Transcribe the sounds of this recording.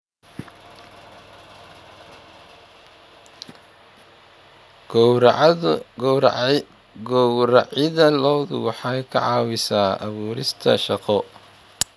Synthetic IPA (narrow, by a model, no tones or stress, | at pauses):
ɡ | ɾɑʕɪðɐlɔwðʊ̰wɑħɑjkʰɑ̰ʕɑːwɪsaːʔɐ̰βuːɾɪst̪ʰɐ̰ʃɑqɔ